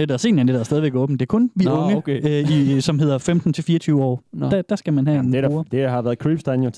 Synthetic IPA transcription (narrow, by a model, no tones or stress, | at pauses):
ned̥æɐse̝̰ːn̩ænedðɐsdɛːðˠiʋeɡ̥ɔ̰̽ːb̥n̩d̥e̝ːkʰɔ̽nʋiɔ̽ŋəisɒ̽mɦe̝ð̞̰ˠɐfemd̥n̩t͡sʰe̝lfiːɐt͡sʰyːʊəɒ̰ːd̥æd̥æsɡ̥æmænɦɛenneɐd̥ehɑ̈ʋæːɐðˠkʰɹib̥sd̥ɑnjo